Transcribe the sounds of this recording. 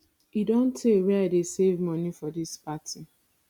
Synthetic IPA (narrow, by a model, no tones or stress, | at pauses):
idõntʰːeweadesevmɔnifɔdispatʰi